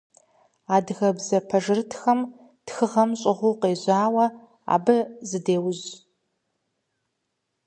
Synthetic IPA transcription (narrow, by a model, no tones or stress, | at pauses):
aːdɣɐbzɐpʰɐʒɨrtʰxɐm | txɨʁɐmɕʼɪʁʷʊqeːʑaːwɐ | a̰ːbɨzɨdeːwʊz